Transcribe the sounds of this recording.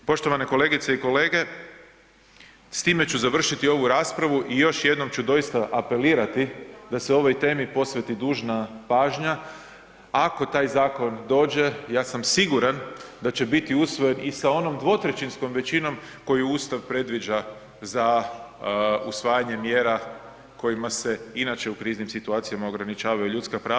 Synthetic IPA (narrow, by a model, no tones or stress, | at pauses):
po̞ʃt̪o̞ʋane̞ko̞le̞ːɡit̪se̞iko̞le̞ːɡe̞ | st̪iːme̞t͡ɕuzaʋr̩ʃit̪io̞ʋuɾaːspɾaʋuʔijo̞ʃje̞d̪no̞mt͡ɕud̪o̞ist̪aʔape̞liːɾat̪id̪aseo̞ʋo̞jt̪e̞ːmipo̞sʋe̞t̪id̪uːʒnapaːʒɲa | ako̞t̪aːjzaːko̞nd̪o̞ːd͡ʒe̞jaːsamsiɡuɾand̪at͡ɕe̞bit̪iusʋo̞je̞nisao̞no̞md̪ʋo̞t̪ɾet͡ʃinsko̞mʋe̞t͡ʃino̞m | ko̞jiuːst̪aʋpɾe̞d̪ʋid͡ʒa | za | usʋaːjaɲe̞mje̞ːɾa | ko̞jimase̞inat͡ʃe̞ukɾiːznimsit̪uaːt̪sijamaoɡɾanit͡ʃaːʋajuʎut̪skapɾaː